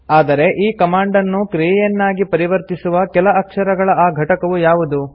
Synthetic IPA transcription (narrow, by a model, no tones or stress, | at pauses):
aːd̪ɐɾe̞ʔiːkɐmaːɳɖɐnːukɾijɛjɐnːaːɡipɐɾiʋɐɾt̪isuʋɐkɛlɐɐkʂɐɾɐɡɐɭɐaːɡʱɐʈɐkɐʋujaːʋud̪u